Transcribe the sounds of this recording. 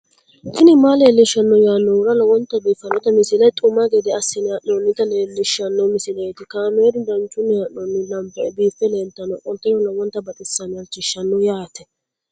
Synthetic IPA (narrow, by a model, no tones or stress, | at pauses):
sɪnɪmaleːlːɪʃːɐnːɔjaːnːɔwʊɾɐlɔwɔnt̪ːɐbiːfɐnɔt̪ɐmɪsɪlɐt̪ʼʊmːɐɡɛd̪ɛɐsːɪnɪɐʔonːɪt̪ɐleːlːɪʃːɐnːɔmɪsɪlejt̪ɪkaːmɛd̪ɪd̪ɐnt͡ʃʼːʊnːɛhɐnɔnːɪlɐmbɐɛbiːfːɛleːnt̪ːɐnɔʔɔnt̪ːɛjɔlɐwɔnt̪ːɐbɐt̪ʼɪsːɐnɪjɐt͡ʃɪʃːɐnːʊjaːt̪ɛ